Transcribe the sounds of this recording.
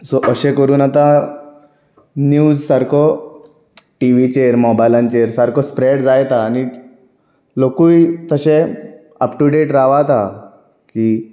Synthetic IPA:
sɔʔəɕẽkəɾuːnat̪a | njuːzsaɾkɔ | ʈiʋit͡ɕeɾmɔbajlãnt͡ɕeɾsaɾkospɾeɽd͡zajt̪aːni | lokuit̪əɕẽ | əpʈuɖeʈɾaʋat̪a | ki

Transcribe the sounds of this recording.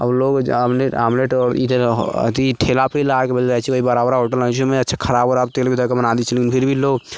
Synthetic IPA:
ə̰bloɡamleamleʈɔːɾid̪əɾ̰t̪iʈʰelapilakebəlɾat͡ʃʰioibəɾabɾaɦoʈələt͡ʃʰumẽətːʃʰakʰəɾaːboɾaːb̚t̪elbʱid̪ʱəkebənad̪it͡ʃʰilekinpʰiɾbʱiloɡ

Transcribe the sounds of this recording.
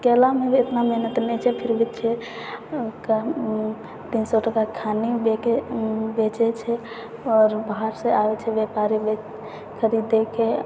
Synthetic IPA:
kɛlameet̪namɛnət̪nɛt͡ʃʰɛpʰiɾbʱit̪t͡ʃʰɛ | ka | t̪insɔʈəkakʰanibeebet͡ʃɛt͡ʃʰɛ | ɔɾbaɦaɾsẽaʋet͡ʃʰɛbjɛpaɾibe | kʰəɾid̪eke

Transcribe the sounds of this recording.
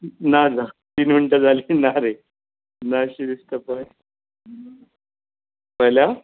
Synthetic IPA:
nad͡zat̪iːnmiɳʈəd͡zʱalinaɾe | naɕiɾist̪əpaj | pəlja

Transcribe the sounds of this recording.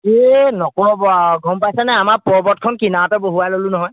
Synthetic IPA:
enɔkɔbaɡʱɔmpajsɛnɛamaɹpɔɹbɔt̚kʰɔnkinatɔboɦualolʊ̃nɔɦɔj

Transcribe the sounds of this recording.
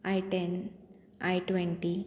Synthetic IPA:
ajʈen | ajʈʋeɳʈi

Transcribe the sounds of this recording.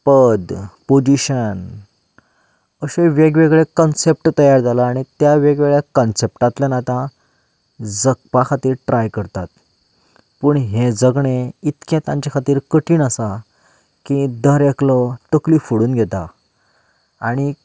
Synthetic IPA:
pəd̪pod͡ʑiɕən | əɕeʋeɡʋeɡɭekənsep̚ʈt̪əjaɾd͡zalaaɽ̃it̪jaʋeɡʋeɡɭjekənsep̚ʈãt̪lanat̪ã | d͡zək̚pakʰat̪iːɾʈɾʔajkəɾt̪at̪ | puːɳɦẽd͡zəɡɳeit̪kẽt̪ãɲt͡ɕakʰat̪iːɾkəʈiːnasa | kid̪əɾeklɔt̪əklifuɽuːnɡʱɛt̪a | aɽ̃i

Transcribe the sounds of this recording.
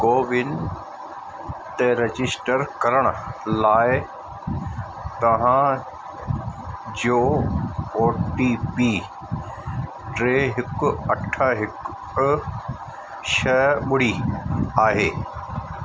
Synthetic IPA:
koːʋɪn | t̪ɛɾɐd͡ʑɪsʈəɾkɐɾəɽ̃ʊlaːɪ | t̪ɐʋ̤ã | d͡ʑoː | oːʈipiː | ʈɾeːɦɪkʊɐʈʰaɦɪk | ʃɐɓʊɽ̤iaːɦeː

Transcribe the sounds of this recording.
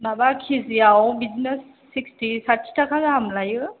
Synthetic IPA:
nabakʰiziawbiznɛsːikstisaɾtʰi̥tʰakʰaɡaɦamlajɯ

